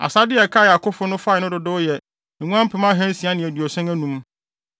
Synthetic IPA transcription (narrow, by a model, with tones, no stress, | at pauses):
a̰˨sa˦dɪ˦ɛ˨kʰa˦˨ja˨kʰʊ˦fʊ˦nʊ̃˦fa˦˨nʊ̃˦dʊ˨dʊ˦jɛ˨ | ŋũ˦ã˦m̩˦pʰɪ˨˦mã˦ɦɛ̃˦n˦sĩ˨a˦nɪ̃˨æ˨dɥɔ˨sɛ̃˦ŋæ˦nũ˦m